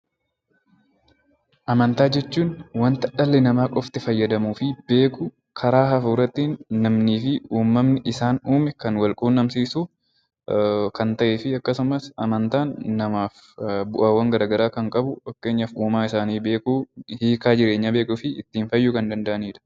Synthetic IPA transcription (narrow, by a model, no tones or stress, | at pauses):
ʔɐmɐnt̪aːd͡ʒɛt͡ʃːuːnwɐnt̪ɐᶑɐlːɛnɐmaːkʼɔft̪ɪfɐjːɐd̪ɐmuːfɪbe̞ːkʊ | kʰɐɾaːɦɐfuːɾɐt̪ːinːɐmniːfɪuːmːɐmnɪʔɪsaːnuːmɛkɐnwɐlkʼuːnːɐmsiːsu | kɐnt̪ɐʔeːfɪɐkːɐsʊmɐsɐmɐnt̪aːnːɐmaːf | bʊʔaːwːɐŋɡɐɾaːɡɐɾaːkɐŋkʼɐbʊwɐkːe̞ːɲːɐfuːmaːɪsaːniːbe̞ːkuːhiːkaːd͡ʒɪɾe̞ːɲːabeːkʼʊfɪɪt̪ːiːnfɐjːʊkɐnd̪ɐnd̪ɐʔɐniːᶑɐ̥